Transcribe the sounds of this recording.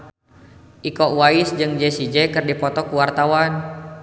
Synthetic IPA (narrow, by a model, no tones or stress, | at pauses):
ʔikɔʔwaisd͡ʒɨŋd͡ʒɛsid͡ʒɛkɨrdipɔt̪ɔkuwart̪awan